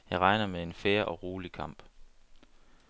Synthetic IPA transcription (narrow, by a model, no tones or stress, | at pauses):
jɑ̈ɪʁɑ̈ɪnɐmee̝nfeːɐʔɒ̽ʁuːlikʰɑ̈m̰b̥